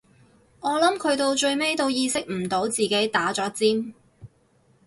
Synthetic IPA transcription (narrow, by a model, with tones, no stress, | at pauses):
ŋɔː˨˧lɐ˨˥mkʰɵ˨˧ɥt̪̬o˧wt͡ʃɵ˧ɥme˥jt̪o˧wjiː˧sɪ˥k̚m̩˨˩t̪o˨˥wt͡siː˨ke˨˥jt̪aː˨˥t͡ʃɔː˨˥t͡siː˥m